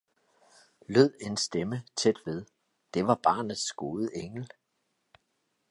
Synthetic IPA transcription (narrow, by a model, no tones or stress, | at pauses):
løð̰ˠe̝nsd̥emət͡sʰed̥ʋe̝ð̞ˠ | d̥e̝ʋɑ̈b̥ɑ̈ːnð̩ˠsɡ̥o̝ːðˠəʔeŋl̩